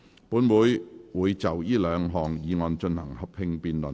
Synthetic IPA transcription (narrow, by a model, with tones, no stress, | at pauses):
puː˨˥nwuː˨˧jwuː˨˧jt͡sɐ˨wjiː˥lœː˨˧ŋɦɔː˨˩ŋjiː˨˧ŋɔː˧nt͡ʃɵ˧nhɐ˨˩ŋhɐ˨p̚hɪ˧ŋpiː˧nlə˨˩n